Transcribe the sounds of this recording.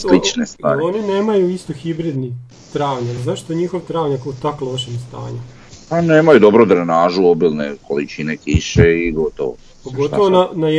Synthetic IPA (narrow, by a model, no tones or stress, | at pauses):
slit͡ʃnest̪va̰ːɾionineːmajuist̪oxibɾid̪ni | t̪ɾaːʋɲazaʃt̪oɲixoʋt̪ɾaːʋɲakaut̪aklˠoʃemst̪a̰ːɲu | paneːmajud̪obɾod̪ɾanaːʒuobilˠnekolit͡ʃinekiʃeiɡot̪o̰ʋo | poɡot̪oʋonnana